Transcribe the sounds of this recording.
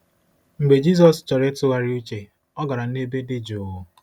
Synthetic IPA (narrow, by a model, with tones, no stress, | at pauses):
ŋ͡m̩˨ɡ͡be˨d͡ʒi˦z̬ɔ˨st͡ʃɔ˨ɾe˦tʊ˦ɣa˦ɾɪ˦u˦t͡ʃe˨ | ɔ˦ɡa˨ɾa˨˦e˦be˦dɪ˦d͡ʒʊ˨ʊ˨